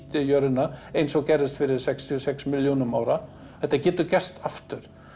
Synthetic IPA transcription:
t̪ɪjœɾðɪnaejnsɔɣcɛrɾɪst̪fɪɾɪɾsɛkst̪ʰiɔsɛksmɪljuːnʏmaːwɾa | θɛht̪ːacɛːt̪ʏcɛst̪aft̪ʏɾ̥

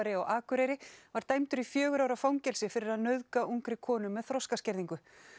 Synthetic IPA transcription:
aɾɪɔɣaːkʏɾɛjɾɪvaɾ̥t̪aːjmt̪ʏɾifjœːɣʏɾawɾafawŋcɛlsɪfɪɾɪɾaðnœðkaʔuŋkɾɪkʰɔːnʏmːɛðθɾɔskascɛɾðiŋkʏ

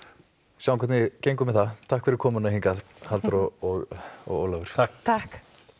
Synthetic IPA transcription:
sjaw̃ŋkʰɛtnɪcejŋkʏmɛðθat̪ʰahkfɪɾɪɾkʰɔːmʏnahiŋka | halt̪ɾɔɔɣɔ̰ɣo̰ːwlavʏɾ̥ʰakt̪ʰahk

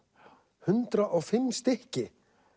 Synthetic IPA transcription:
hʏnt̪ɾaʔɔɣfɪmːst̪ɪhcɪ

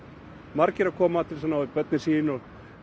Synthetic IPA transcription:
maɾcɪɾakʰɔːmat̪ʰɪlsamnːaɪpœt̪nɪsiːnɔ

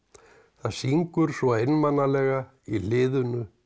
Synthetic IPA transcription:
θaðsiŋkʏɾ̥svɔejnmanːalɛɣa | ilɪːðʏnʏ

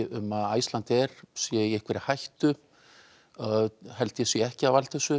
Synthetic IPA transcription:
ʏmːaða̰jst̪ant̪ɛɾ̥sjɛiehkʰvɛɾɪhajht̪ʏ | hɛlt̪ɪjɛsjɛɛhcɪavalt̪θɛsʏ

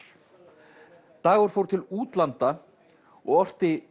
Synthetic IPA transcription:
t̪aːɣʏɾ̥fowɾt̪ʰɪluːt̪lant̪a | ɔɣɔr̥t̪ɪ

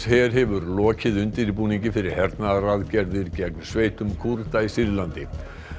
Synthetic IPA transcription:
hɛːɾ̥ɦɛvʏɾlɔːcɪðʏnt̪ɪɾipuːniɲcɪfɪɾɪɾ̥hɛɾt̪naraðcɛɾðɪɾcɛknsveːjt̪ʏmkʰuɾt̪aisɪɾlant̪ɪ

